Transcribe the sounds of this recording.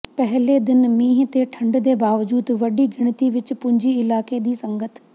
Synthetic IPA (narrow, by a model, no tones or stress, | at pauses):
pɛɦleːd̪ɪnmĩːɦt̪eːʈʰə̃ɳɖd̪eːbaːʋd͡ʒuːd̪ʋəɖiːɡɪɽ̃t̪iːʋɪt͡ʃpʊ̃ɲd͡ʒiːɪlaːkeːd̪iːsə̃ŋɡət̪ʰ